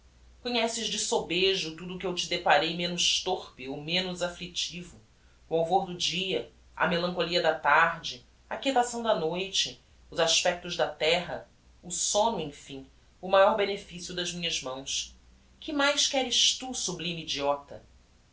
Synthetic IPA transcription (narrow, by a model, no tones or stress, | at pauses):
koɲɛsɪʒd͡ʒɪsobeʒʊt̪ud̪ʊːkɪewt͡ʃɪd̪epaɾejmẽnʊʃt̪oχpɪowmẽnʊzaflit͡ʃivʊː | awvoɾd̪ʊd͡ʒiɐ | ɐ̰melɐ̃ŋkoliɐd̪ɐt̪aɾd͡ʒɪ | ɐket̪asɐ̃w̃d̪ɐnojt͡ʃɪ | ʊzaʃpɛk̚t̪ʊʒd̪ɐt̪ɛɦɐ | ʊsõnʊẽj̃fĩ | ʊmajɔɾbenefisjʊd̪ɐzmĩɲɐzmɐ̃w̃s | kɪmajʃkɛɾɪʃt̪usublĩmid͡ʒiɔt̪ɐ